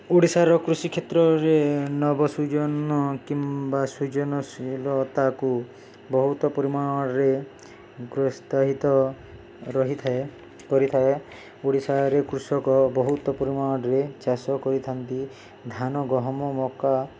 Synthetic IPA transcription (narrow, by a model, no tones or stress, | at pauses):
uɽisaɾɔkɾusikʰjet̪ɾɔɾenɔbɔsud͡ʒɔnɔkimbasud͡ʒɔnɔsilɔt̪aku | bɔɦut̪ɔpɔɾimaɽɔɾe | ɡɾɔst̪aɦit̪ɔ | ɾɔɦit̪ʰ | kɔɾit̪ʰae | uɽisaɾekɾusɔkɔbɔɦut̪ɔpɔɾimaɽ̃ɔɽɔɾet͡ʃasɔkɔɾit̪ʰant̪i | d̪ʱanɔɡɔɦɔmɔmɔka